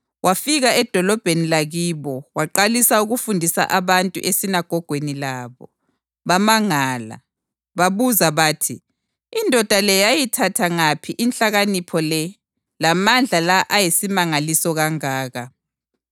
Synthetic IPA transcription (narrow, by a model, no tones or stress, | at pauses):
wʔafiɣaɛd̥ʱɔlɔb̥ʱenilaɣiːβɔwaǃalisauɣufundʱisa̰ʔaβantʼṵʔesinaɡ̥ʱɔɡ̥ʱwenilaβɔ | βamaŋaːla̰ | βaβuzaβaːtʰiː | ndʱɔd̥ʱalɛjajitʰatʰaŋapʰiʔint͡ɬaɣanipʰɔlɛ | lamand͡ɮʱalaʔajesimaŋalisɔɣaŋaːɣa